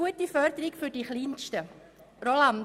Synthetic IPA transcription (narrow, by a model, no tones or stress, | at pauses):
uətifœɾdəɾɪkfʏɾdiχliːnʃtə | ɾolan